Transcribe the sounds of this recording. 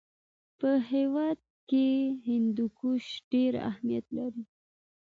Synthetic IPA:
pəɦewɑd̪̚ | keɦɪnd̪ukuʃɖ̥eɾa̰hmija̰t̪laɾi

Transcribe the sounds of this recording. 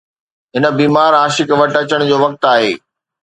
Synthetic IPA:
ɦɪnə̆biːmaːɾɦaːʃɪkʋɐʈɐt͡ɕəɽ̃d͡ʑoːʋɐk̚t̪aːɦḛː

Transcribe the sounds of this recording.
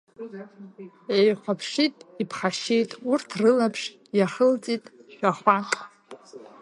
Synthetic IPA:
ejqʷapʰʂitʼipʰχaʃejtʼurtʰrɨlapʰʂ | jaχəlt͡sʼitʼʃᶣaχʷa

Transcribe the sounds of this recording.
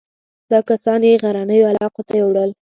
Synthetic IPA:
d̪ɑkasɑnjeɣaɾanəjoalɑqot̪ajewɽəl

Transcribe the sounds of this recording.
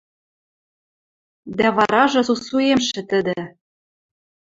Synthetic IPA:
d̪æβɑɾɑʒɤ̆usuemʃɘ̆t̪ɘ̆d̪ɘ̆

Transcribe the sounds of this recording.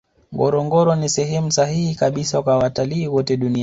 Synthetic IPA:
ŋɡɔ̰ɾɔŋɡɔɾɔnisɛɦɛmusahihikaɓisakwawataliːwɔtɛɗuni

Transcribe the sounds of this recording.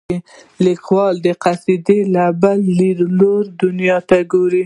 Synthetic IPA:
e | likwɑld̪əqasid̪elabalːiɾloɾd̪ʊnjɑt̪aɡoɾi

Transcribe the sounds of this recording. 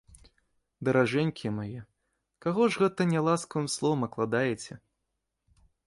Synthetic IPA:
d̪ɐɾaʐɛnʲkʲimajɛ | kaɣɔʐɣɛt̪ɐnʲɛlˠaskəvɨmslˠɔvɐmɐklˠad̪ajɛt͡sʲɛ

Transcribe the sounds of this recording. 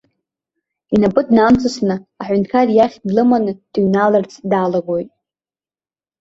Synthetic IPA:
inapʼɨdnamt͡sʰɨsnɨaħʷᶣʏntʰkʰarjaχʲdlɨmanɨd̥iɥnalɨrt͡sʰdalaɡojtʼ

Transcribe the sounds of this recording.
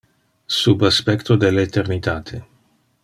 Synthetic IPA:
subaspɛkt̪od̪elet̪ernit̪aːt̪ʰe

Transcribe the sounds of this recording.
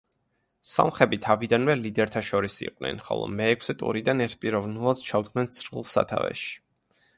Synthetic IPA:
sa̰mχɛbit̪ʰavid̪anvɛlid̪ɛɾt̪ʰaʃɔɾisḭqʼnɛ̰nχɔ̰lˠɔ̰mɛːkʰsɛt̪ʼṵɾid̪anɛɾt̪̚ʰpʼiɾɔvnulˠad̪̥t͡ʃʰad̪ɡnɛnt̪sʰɾilˠsa̰t̪ʰa̰vɛ̰ʃi̥

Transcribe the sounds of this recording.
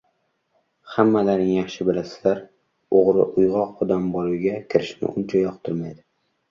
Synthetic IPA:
hamːalaɾnɪŋjaχʃɪbɪlasɪ̥laɾ | oʁɾɪ̰ʔʊjʁɒqːɒd̪ambɒlˠɪwɡʲakʲʰɪɾɪʃnɪ̰ʔʊnt͡ʃʰajɒqt̪ʰʊɾmajd̪ɪ

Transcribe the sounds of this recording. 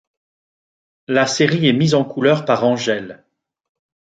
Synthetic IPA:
laseʁiɛmizɑ̃kʰulœʁpaʁɑ̃ʒɛl

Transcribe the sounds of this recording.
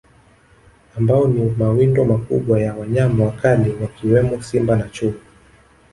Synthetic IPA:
ambaɔnimawindɔmakuɓwajawaɲamawakaliwakiwɛmɔsimbanat͡ʃuu

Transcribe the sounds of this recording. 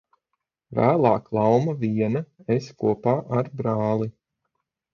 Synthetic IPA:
væ̰ːlˠɑːklˠawmaviɛnɐeskuɔpaːʔaɾbɾɑːlˠi

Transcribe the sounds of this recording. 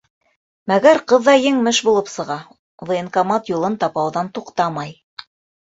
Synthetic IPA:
mæɡæɾqɤ̆ðːɑjɘŋmɘʃbulˠɤpsɤ̆ʁɑ | ðoeŋkɑmɑt̪julˠɤnt̪ɑpɑwðɑnt̪uqt̪ɑmɑj

